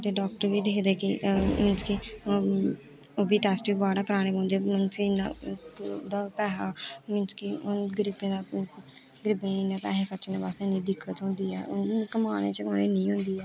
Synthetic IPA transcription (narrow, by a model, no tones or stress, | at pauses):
t̪eːɖɔːk̚ʈəɾʋiːd̪eːkʰd̪eːkɪmɪnski | oːbiːʈɛːsʈʋiːbaːɽaːkəɾaːñeːpãːnd̪eːmənsna̰ | d̪aːpɛːɦaːmɪnskɪʊnɡɾɪbẽːd̪aː | ɡəɾɪbẽːɪneːpɛːɦẽːkət͡ʃːneːbaːst̪eːnĩːd̪ɪkʰːət̪ɦõːnd̪iːɛːʊnkəmaːnḛːt͡ʃəoːneːnĩːɦʊ̃nd̪iːɛː